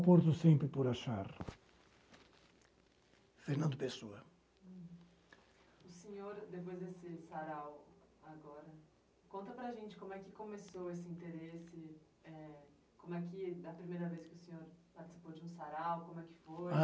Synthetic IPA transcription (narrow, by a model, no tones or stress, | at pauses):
poɾt̪ʊsẽmpɾɪpɔɾaʃa̰ɾ | feɾnɐ̃nd̪ʊpesoɐ | ʊsẽɲoɾd̪epojzd̪esɪsaɾawaɡɔɾɐ | kõnt̪ɐpɾɐʒẽnt͡ʃɪkõmʊɛkɪkomesowesɪĩnt̪eɾesɪ | ɛ | kõmʊɛkɪd̪ɐpɾimejɾɐveskɪʊsẽɲoɾpaɾt͡ʃɪ̥si̥pod͡ʒɪũsaɾawkõmʊɛkɪ̥fo